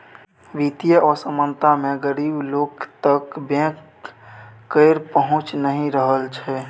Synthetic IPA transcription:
ʋit̪ijəʔɔːɾsəmənt̪amẽɡəɾiːbloːkt̪əkbɛ̃kː | əɪɾpəɦʊ̃t͡ʃnəɦĩɾəɦəlt͡ʃʰɛ

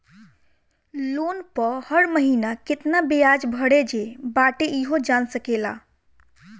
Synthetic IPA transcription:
lonpəhəɽməɦinakɪt̪nabejad͡ʒbʱəɽed͡ʒebaʈeiɦod͡ʒansəkela̰

